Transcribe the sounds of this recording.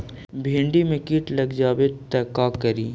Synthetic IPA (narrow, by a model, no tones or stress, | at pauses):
bʱẽːɳɖimẽkiːʈlɐɡd͡ʒaːwet̪ɛːkaːkːəɾiː